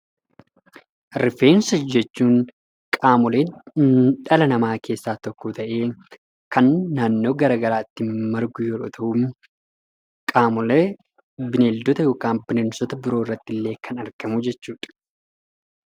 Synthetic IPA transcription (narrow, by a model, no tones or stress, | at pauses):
ɾɪfe̞ːnsɔd͡ʒɛt͡ʃːuːn | kʼaːmɔleː | ᶑɐlɐnɐmaːkʰe̞ːsːaːt̪ɔkːɔt̪ɐʔe̞ː | kɐnːaːnːo̞ːɡɐɾaːɡɐɾaːɪt̪ːɪmɐɾɡʊjɛɾɔt̪ʰɐʔum | kʼaːmʊle | bɪneːld̪ɔt̪ɐjo̞ːkaːnbɪnensɔt̪ɐbɪɾoːɪrːɐt̪ːɪlːe̞ːkʰɐnɐɾkɐmud͡ʒɛt͡ʃːuːᶑɐ̥